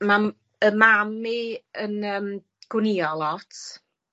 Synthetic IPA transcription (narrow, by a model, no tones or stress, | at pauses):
ma | əmamiənəːm | ɡ̥wɪniɔlˠɔtʰ